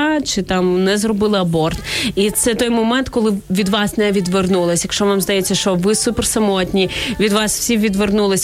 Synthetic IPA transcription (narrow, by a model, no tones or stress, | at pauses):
t͡ʃɪt̪ɑmnɛzrɔbɪlˠɪɐbɔrt̪it̪sɛt̪ɔjmɔmɛnt̪kɔlˠɪʋʲid̪ʋɑsnɛʋʲid̪ʋernulˠɪsʲjɐkʃt͡ʃɔʋɑmzd̪ɐjet͡sʲːɐʃt͡ʃɔʋɪsupɛrsɐmɔtʲnʲiʋʲid̪ʋɑswsʲiʋʲid̪ʋernulˠɪsʲ